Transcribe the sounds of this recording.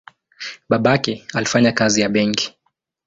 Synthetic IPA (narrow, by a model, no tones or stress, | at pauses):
ɓaɓakɛalifaɲakazijaɓɛŋki̥